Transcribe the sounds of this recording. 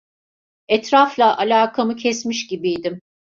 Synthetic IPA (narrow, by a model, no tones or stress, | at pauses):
ɛt̪ɾaflˠaʔalʲaːkʰamɯcʰɛsmiʃɟibijd̪ɪm